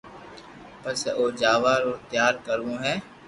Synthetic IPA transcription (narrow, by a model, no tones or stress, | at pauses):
pəsoːd͡ʒaːʋaːɾoːt̪jaːɾkəɾũːɦɛː